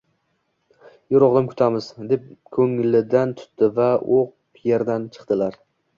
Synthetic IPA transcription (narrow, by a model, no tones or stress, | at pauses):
jʊɾɒʁd̪amkʲʰʊ̥t̪ʰamɪz̥d̪e̞p̚kʰɵŋlɪd̪ant̪ʰʊ̥t̪ːɪvaoq | pʰjeɾd̪ant͡ʃʰɨ̥qt̪ɪlaɾ